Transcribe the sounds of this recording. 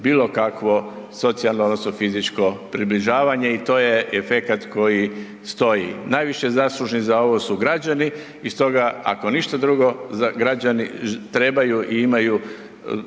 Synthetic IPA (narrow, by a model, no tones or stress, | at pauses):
biːlˠo̞kakʋo̞ | so̞t̪sialnood̪nosnofizit͡ʃko̞pɾibliʒaːʋaɲe̞it̪o̞ːjeefekat̪ko̞ji | st̪o̞jinajʋiʃezaslˠuʒnizao̞ʋo̞suɡɾad͡ʑani | ist̪o̞ɡaa̰ko̞niʃt̪ad̪ɾuɡo̞zaɡɾad͡ʑanḭt̪ɾe̞bajuʔiimaju